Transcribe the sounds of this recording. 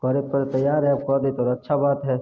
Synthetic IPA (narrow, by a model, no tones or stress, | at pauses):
kəɾepəɾt̪əjːaːɾɦɛb̚kɔɾd̪it̪oːɾɐtːʃʰabaːt̪ɦɛː